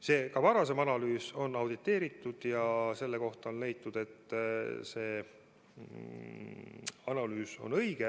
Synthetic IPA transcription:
se̞ːkɑvɑɾɑse̞mɑnɑlyːso̞nːɑwd̪̥it̪ːˑe̞ːɾit̪ːˑud̪̥jɑse̞lːeko̞ht̪ɑo̞nle̞jt̪ːˑud̪̥e̞t̪ːˑse̞ː | ɑnɑlyːso̞̰nɤjɡ̥e

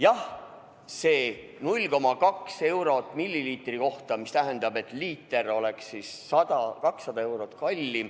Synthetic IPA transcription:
jɑh | se̞ː | nulʲko̞mɑkɑkse̞wɾo̞t̪ːˑmilʲːiliːt̪riko̞ht̪ɑmist̪æɦend̪ɑbe̞t̪ːˑliːt̪ːˑe̞ɾo̞le̞ksisːɑd̪̥ɑkɑksːɑd̪ɑe̞wɾo̞t̪ːkɑlʲːi

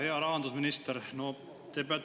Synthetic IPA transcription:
he̞ɑɾɑɦɑnd̪usminist̪eɾno | t̪epeɑ

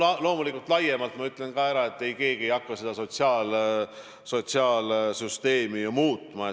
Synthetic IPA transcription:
ɑlo̞ːmulikːˑult̪lɑje̞mɑlt̪ˑmɑyt̪ːˑle̞nkɑːæɾɑe̞t̪ːˑe̞jke̞ːɡ̥ie̞jɑkːɑse̞d̪ɑso̞t̪siɑːl | so̞t̪siɑːlsyst̪e̞ːmijomuːt̪ːˑmɑ

